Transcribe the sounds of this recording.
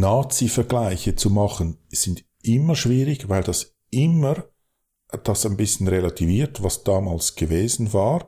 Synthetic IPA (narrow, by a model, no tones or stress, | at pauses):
naːt͡sifɛɐɡlaɪçət͡sumɑχənz̥ɪnd | ʔɪməʃv̥iːɾɪçvaɪldɑs | ʔɪməɾ | d̥ɑsaɪnbɪsçən̩ʁelatʰiviːtvɑsd̥aːmaːlsɡ̥əveːzn̩vaːʁ